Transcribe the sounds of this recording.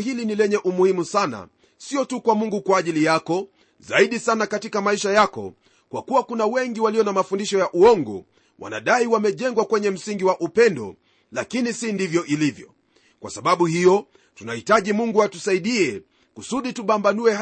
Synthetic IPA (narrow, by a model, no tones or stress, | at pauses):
ɦilinilɛɲɛʔumuhimusana̰ | siɔtukwamuŋɡukwaːʄilijakɔ | zaiɗisanakatikamaiʃajakɔ̰ | kwa̰kuwakunawɛŋɡiwaliɔnamafundiʃɔjaʔuɔŋɡɔ̰ | wʔa̰na̰ɗaiwamɛʄɛŋɡwakwɛɲɛm̩siŋɡiwaʔupɛndɔ̰ | la̰kinisindivjɔʔilivjɔ̰ | kwa̰saɓaɓuhijɔ | tunahitaʄimuŋɡuatusaiɗiɛ | kusuɗituɓambanuɛ